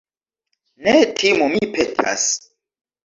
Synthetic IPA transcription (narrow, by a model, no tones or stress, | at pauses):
netʰimumipʰetʰa̰s